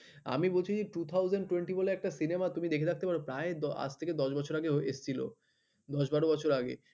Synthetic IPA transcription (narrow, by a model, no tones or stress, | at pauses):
a̰mibolt͡ɕʰid͡ʑeʈut̪ʰawd͡ʑeɳɖʈuweɳʈiboleɛk̚ʈasinemat̪umid̪ekʰed̪ak̚t̪epaɾopɾaed̪ɔa̰d͡ʑt̪ʰeked̪ɔʃbɔt͡ɕʰoɾaɡeɦoest͡ɕʰilo̰ | d̪ɔʃbaɾobɔt͡ɕʰoɾaɡḛ